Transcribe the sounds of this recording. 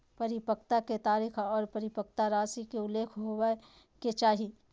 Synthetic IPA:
pɐɾɪpəkt̪aket̪aːɾiːkɔːɾpɐɾɪpək̚t̪aɾaːsikeʊlːeːkʰɦowe | ket͡ʃaːɦi

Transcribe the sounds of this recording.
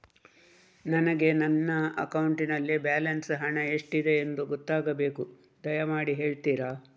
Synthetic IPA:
nɐnɐɡe̞nɐnːɐɐkɐwuɳʈinɐlːibaːlɐnsɦɐɳɐeʂʈid̪e̞ːnd̪uɡɔt̪ːaːɡɐbe̞ːku | d̪ɐjɐmaːɽiɦe̞ːɭt̪iːɾaː

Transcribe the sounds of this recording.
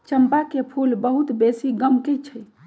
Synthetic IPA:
t͡ʃəmpakepʰulbəɦut̪besiɡəmkɛt͡ʃʰɛ

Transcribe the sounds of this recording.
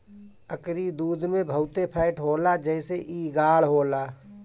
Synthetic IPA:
əkɾid̪uːd̪ʱmẽbʱəʊt̪epʰaɪʈɦoːlad͡ʒɛːseʔiɡaːlɦoːlaː

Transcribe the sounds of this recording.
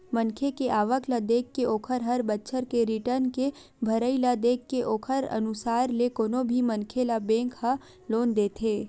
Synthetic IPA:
mənkʰekeʔaːʋəklad̪eːkːeoːkʰəɾɦəɾbətːʃʰəɾkeɾɪʈəɾnke | bʱɐɾəilad̪eːkːeʔoːkʰəɾɐ̰nʊsaːɾlekoːnõbʱimɐ̃nkʰelabẽːŋkha | loːnd̪eːt̪ʰeː

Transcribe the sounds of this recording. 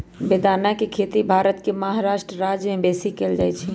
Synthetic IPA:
bed̪ʱanakekʰet̪ibʱaɾət̪kemaɦaɾaʃʈɾəɾad͡ʒmẽbesikeld͡ʒajt͡ʃʰi

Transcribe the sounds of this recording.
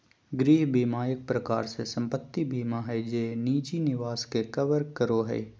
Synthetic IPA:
ɡɾiːɦbʱiːmaːjək̚pɾəkaːɾsesə̃mpət̪ːibʱiːmaɦɛd͡ʒeːniːd͡ʒinɪʋaːskekəʋəɾkəɾoɦɛ̰ː

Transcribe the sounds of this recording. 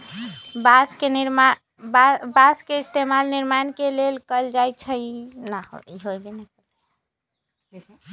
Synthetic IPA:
baskeniɾma | bbaskeist̪emalniɾmankelelkəld͡ʒajt͡ʃʰənahoiɦojbenekəle

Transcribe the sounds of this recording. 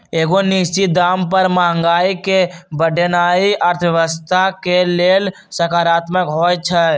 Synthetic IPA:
eːɡonɪst͡ʃid̪aːmpəɾmaːə̃ŋɡaːikebəɖʱənaːiʔəɾt̪ʰʋjəʋəst̪ʰakeleːl | səkaːɾaːt̪məkɦoːɛt͡ʃʰə

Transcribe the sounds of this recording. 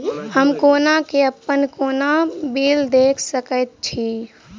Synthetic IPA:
həmkoːnakeəpːənkonabild̪ekʰsəkət̪̚t͡ʃʰi

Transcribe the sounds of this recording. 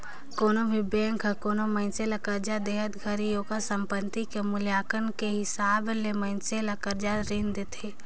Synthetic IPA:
koːnobʱibɛ̃ːŋkakoːnomə̃ɪnselɐkəɾd͡ʒad̪eːɦət̪ɡʱəɾijoːɡasə̃mpənt̪ikemʊljaːkənkeɦɪsaːblemə̃ɪnselɐkəɾd͡ʒaɾind̪et̪ʰeː

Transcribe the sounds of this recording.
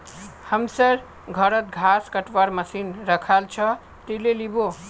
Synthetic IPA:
həmsəɾ | ɡʱʌɾət̪̚ɡʱaskəʈʋaɾməsinɾəkʰalt͡ʃʰʌ | t̪ilelibo

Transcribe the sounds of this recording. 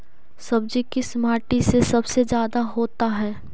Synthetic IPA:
sɐb̚d͡ʒikismaːɾʈisesɐbsed͡ʒjaːd̪aɦoːt̪aɦɛː

